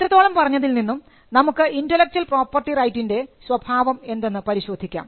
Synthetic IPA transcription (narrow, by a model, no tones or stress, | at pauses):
t̪ɾɐt̪ːoːɭɐmpɐrɐɲːɐðilninːum | nɐmukːɨʔindɐlek̚t͡ɕuɐlpro̞ːpːɐrʈirɐjtːinde̞swɐbʱaːʋɐme̞nd̪e̞nːɨpɐɾiɕo̞ːd̪ʱikʲːa̰ːm